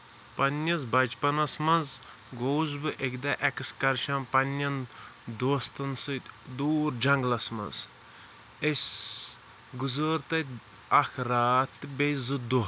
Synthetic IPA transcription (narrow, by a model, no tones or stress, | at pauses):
pɐnɐzbɐd͡ʒpɐnɐsmɐ̃nz | ɡowzbɨʔekd̪ɐʔɛkskɐɾʃɐ̃npɐnɐnd̪oːst̪ɐnsɨd̪uːɾd͡ʒɐŋɡlɐsmɐ̰z | esʲ | ɡuzəɾt̪ɐ | ɐxʰɾaːt̪ɨbejzɨd̪u